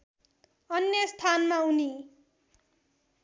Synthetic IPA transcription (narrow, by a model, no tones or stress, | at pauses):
ʌnjʌst̪ʰanmauni